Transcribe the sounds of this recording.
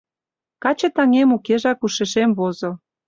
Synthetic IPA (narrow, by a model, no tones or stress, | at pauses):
kɑt͡ɕɤ̆t̪ɑŋemukeʒɑkuʃeʃemβozŏ